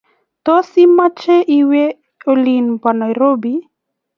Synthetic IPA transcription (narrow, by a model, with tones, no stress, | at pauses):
t̪o˦si˦ma˦t͡ʃe˦ʔi˦we˦ | o˦li˨npa˨nɔ˨i˨ɾo˦bi˦